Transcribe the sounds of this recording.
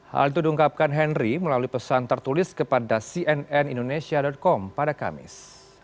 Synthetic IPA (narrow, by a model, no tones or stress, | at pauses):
ha̰lit̪udiuŋkap̚kanɦɛnriməlaluipəsant̪ərt̪ulɪskəpadasiʔɛnɛnindonesiadɔt̪̚kɔmpadaka̰mɪ̰s